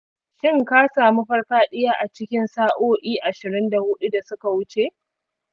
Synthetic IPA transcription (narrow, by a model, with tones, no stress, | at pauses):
ʃɪ˦ŋkaː˦saː˨mu˦ɸɐ˦rɸaː˦ɗɪ˦jaː˦ʔa˨t͡ʃɪ˦kʲɪ˦nsaː˦ʔoː˦ʔiː˦ʔa˨ʃɪ˨ɾɪ˦nda˨hʊ˦ɗu˦da˨sʊ˦ka˨wʊ˦t͡ʃe˨ʔ